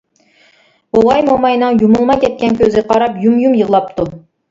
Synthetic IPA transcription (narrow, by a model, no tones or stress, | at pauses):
oʁɑjmomɑjnɨŋjumulˠmɑkʲɛt̪̚kʲɛnkʲʰøzɪqʰɑɾɑpjumjumjəʁlˠɑp̚t̪ʰu